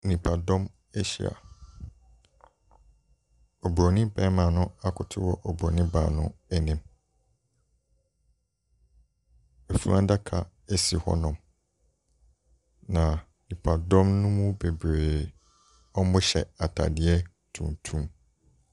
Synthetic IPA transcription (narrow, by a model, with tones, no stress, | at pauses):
nĩ˨pʰa˨dɔ̃˦m | ɛ˦ɕḭ˨a̰˨ | o˨bɾo˨nĩ˦pɛ̃ː˦mãː˨nʊ̃˦a˦kʰʊ˨tʰʊ˦wɔ˨ʔo˨bɔ˨nĩ˦ba̰˨nʊ̰̃˦ɛ˦nĩ˨m | e˨fu˦ã˦da˦kʰa̰˨ | e˦si˨hɔ̰˦nɔ̃˨m | nã˨ | nĩ˨pʰa˨dɔ̃˦mnʊ̃˦mũ˦be˨bɾeː˨ | ɔ˦mʊ̃˦ɕɛ˨a˨tʰa̰˨dɪ˨˦ɛ˦ | tʰṵ̃˨ntʰũ˦m